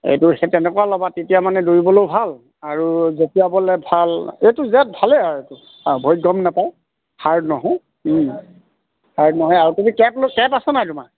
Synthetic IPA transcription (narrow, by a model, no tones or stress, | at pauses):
ḛjtʊxɛtɛnɛkɔwalɔbatetijamanɛdoɹibɔlowbʱal | aɹuzetijabɔlɛbʱalejtuzat̚bʱalɛaɹetu | bʱojɡɔmnapaj | haɹnɔɦɔj | haɹnɔɦɔjaɹutedikɛplokɛpasɛnajtuma